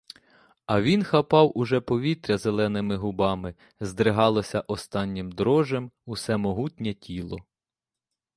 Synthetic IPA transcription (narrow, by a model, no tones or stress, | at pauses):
ɐʋʲinxɐpɑwʔʊʒɛpɔʋʲit̪ɾʲɐzelˠɛnɪmɪɦʊbɑmɪ | zd̪ɾɪɦɑlˠɔsʲɐʔɔst̪ɑnʲːɪmd̪ɾɔʒemʊsɛmɔɦutʲnʲɛtʲilˠɔ